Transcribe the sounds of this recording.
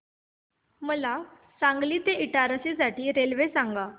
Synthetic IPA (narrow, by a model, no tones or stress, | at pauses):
məla | sãŋɡliːt̪eiʈaɾəsid͡zaʈiːɾelʋesaŋɡa